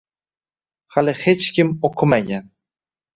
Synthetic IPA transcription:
halɪhe̞t͡ʃkʲɪmoqʰɨmaɡʲan

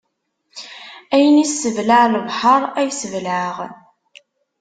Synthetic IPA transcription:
æjənisːəvlaʕləvħɑɾˤæjsəvlaʁ

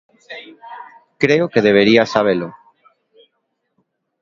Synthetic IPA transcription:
kɾeokeðeβ̞eɾiasaβ̞elʊ

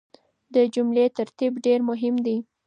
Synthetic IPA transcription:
d̪əd͡ʒumlet̪aɾt̪ibɖeɾmʊɦɪmd̪i

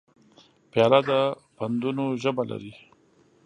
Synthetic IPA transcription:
pjɑlad̪a | pand̪unoʒəbala̰ɾi

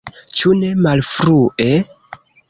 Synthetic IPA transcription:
t͡ʃune̞malfɾuʔe

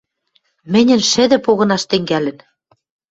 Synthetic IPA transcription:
mɘ̆nʲɘ̆nʃɘ̆d̪ɘ̆poɣɤ̆nɑʃt̪ɘ̆ŋɡælɘ̆n

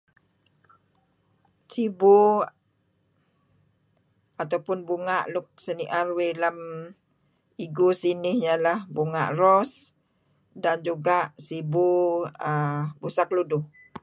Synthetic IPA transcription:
sibu | at̪awpʊnbuŋaʔlʊk̚səniʔarwelam | iɡusinɪhjalahbuŋa̰ʔrɔs | dand͡ʒuɡaʔsibuəbusak̚ludʊh

